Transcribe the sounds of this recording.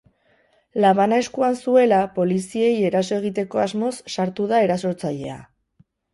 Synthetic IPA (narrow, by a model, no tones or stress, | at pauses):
laβanae̞skuansue̞lapo̞lisie̞je̞ɾas̬o̞e̞ɣ̞it̪e̞ko̞azmo̞sːaɾt̪uðae̞ɾaso̞ɾt͡saʎe̞a̰